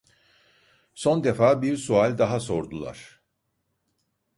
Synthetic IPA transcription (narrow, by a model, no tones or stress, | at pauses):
so̞nd̪e̞faːbiɾsualʲd̪aɦaso̞ɾd̪ulˠa̰ɾ̥